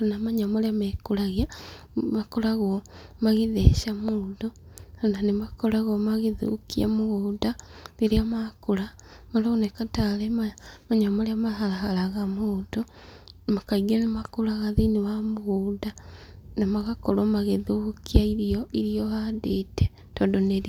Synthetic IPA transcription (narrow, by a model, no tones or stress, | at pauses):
anamaɲamoleamekulaɣia | makoɾaɣomaɣeðeʃamuːdoananemakolaɣomaɣeðṵkia̰muɣuːdaleɾeamakulamalounekatalemamaɲaamaleamaɦalaɦalaɣamodo | makaiɣianemakulaɣaðinewamuɣuːdanamaɣakoɾomaɣeðukiaiɾioʔiɾioadete̥ | toːndoneɾ